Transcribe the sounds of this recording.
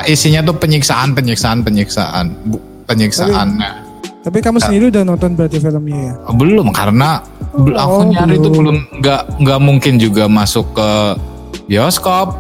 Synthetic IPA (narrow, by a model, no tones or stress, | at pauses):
ʔisiɲat̪upəɲiksaʔanpəɲiksaanpəɲiksa̰ʔa̰nbu | pəɲiksa̰ʔanɲa | t̪apikamusəndiɾiudahnɔnt̪ɔnbəɾat̪ifiləmɲajabəlʊmka̰ɾəna | bəlakuɲaɾit̪ubəlʊmŋɡaʔŋɡaʔmuŋkɪnd͡ʒuɡamasʊkːə | biɔskɔp̚